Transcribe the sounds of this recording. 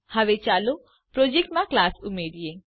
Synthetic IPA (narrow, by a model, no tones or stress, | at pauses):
haʋet͡ʃalo | pɾod͡ʒek̚ʈmaklasumed̪ije